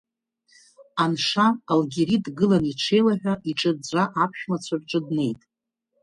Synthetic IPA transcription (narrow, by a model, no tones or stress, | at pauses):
anʂaːlɡʲeɾidɡɨlaniʈ͡ʂʰejlaħᶣʷaʔiʈ͡ʂʼɨrd͡zʷaʔapʰʃᶣmat͡ɕʷʰarʈ͡ʂʼɨdne̞jtʼ